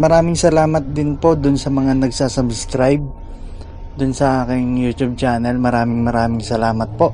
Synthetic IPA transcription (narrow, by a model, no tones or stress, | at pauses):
mɐɾaːmɪŋsɐlaːmɐt̪̚d̪ɪnpo̞d̪ʊnsɐmɐŋanɐɡ̚saːsɐbskɾajb̚ | d̪ʊnsɐʔaːkɪŋjuːt̪ub̚t͡ʃaːnɐlmɐɾaːmɪŋmɐɾaːmɪŋsɐlaːmɐt̪̚po̞ʔ